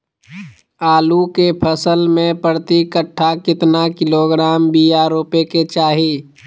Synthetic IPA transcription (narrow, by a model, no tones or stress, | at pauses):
aːlukepʰəsəlmẽpəɾt̪ikəʈʰːakɪt̪nakɪloɡɾaːmbiaɾoːpeket͡ʃaːɦi